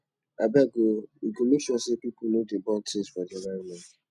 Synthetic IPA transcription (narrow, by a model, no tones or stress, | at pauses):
abaɡoiɡomekʃɔsepipunodebɔntʰesfɔdialavmɛ